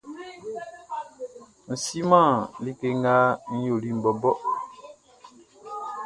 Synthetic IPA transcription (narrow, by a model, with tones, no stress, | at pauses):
n̩˨si˦mã˦˨li˦ke˦ŋ˦ɡa˦n̩˦jo˨li˦m̩˨bɔ˨bɔ˦